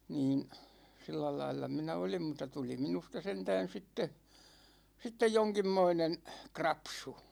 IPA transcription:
niːn silːælɑilːɑ minæ olim mutːɑ tuli minustɑ sentæːn̞ sitːe sitːej joŋkimːoinen krɑpsu

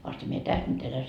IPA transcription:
ʋɑstɑ mie tæs nyt elæ

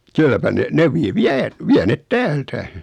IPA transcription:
kylːæpæ ne ne ʋi ʋiæ ʋiæ net tæːltæ

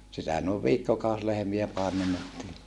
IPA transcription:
sitæ noˑeʋ ʋiːkːokɑˑus lehĕmiæ pɑemenːetːiː

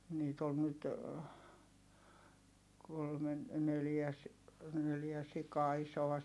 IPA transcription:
niːt ol nyt kolmen neljæ s neljæ sikɑː isoɑ

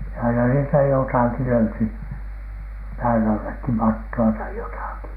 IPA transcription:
jɑ ɑinɑ niːstæ jotɑˑki løyty pæːn ɑlːekːi mɑtːoɑ tɑi jotɑˑki

